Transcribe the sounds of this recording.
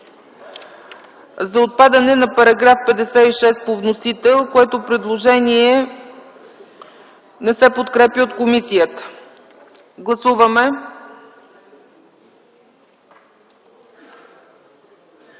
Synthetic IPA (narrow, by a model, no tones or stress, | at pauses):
zɐot̪̚pad̪ɐnɛnɐpɐɾɐɡɾafpɛd̪ɛsɛiʃɛspovnosit̪ɛlˠkoɛt̪opɾɛd̪lˠoʒɛniɛ | nɛsɛpot̪kɾɛpʲəot̪komisijət̪ə̥ | ɡlˠɐsuvəmɛ